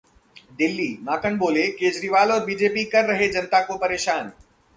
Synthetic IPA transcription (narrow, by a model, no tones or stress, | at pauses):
d̪ɪlːiːmaːkəɳboːlekeːd͡ʒɾiːʋaːlɔːɾbiːd͡ʒeːpikɐɾːɐɦed͡ʒɐnt̪akopɐɾeːʃaːn